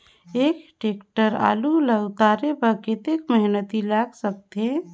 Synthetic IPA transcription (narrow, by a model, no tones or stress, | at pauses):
ekʈekʈəɾa̰ːluləɡt̪aːɾepəkɪt̪ekməɦnət̪ilaɡsək̚t̪e